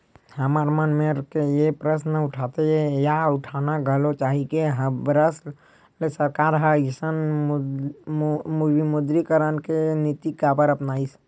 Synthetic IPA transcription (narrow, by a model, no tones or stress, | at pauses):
həmaːɾmənmeɾkejepɾəsnəʊʈʰat̪eejaʊʈʰanaɡʱəlot͡ʃaːɦikeɦəbɾəs | lesəɾkaːɾɦəisən | mubimʊd̪ɾikəɾənkenit̪ikapəɾəpnaːis